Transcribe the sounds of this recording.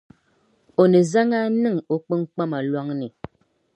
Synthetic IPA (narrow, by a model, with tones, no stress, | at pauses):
o˨ne˨za˦ŋa˦nɨ˦˨ŋo˨k͡pɨ˦ŋ˦k͡pa˦ma˨lwɔ˦ŋni˨